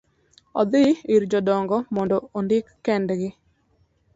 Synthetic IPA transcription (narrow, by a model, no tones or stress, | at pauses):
ɔd̪ɪiɾd͡ʒɔdɔŋɡɔmɔndɔondɪkːɛndɡɪ